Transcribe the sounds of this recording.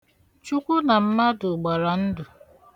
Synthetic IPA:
t͡ʃu˦kʷʊ˦na˨m̩˦ma˦dʊ˨ɡ͡ba˨ɾa˨n̩˦dʊ˨

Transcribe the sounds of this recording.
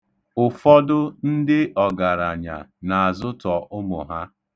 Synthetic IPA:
ʊ˨fɔ˦dʊ˦n̩˦dɪ˦ʔɔ˨ɡa˨ɾa˨ɲa̰˨na˨a˨zʊ˦tɔ˨ʔʊ˦mʊ˨ɦa˦

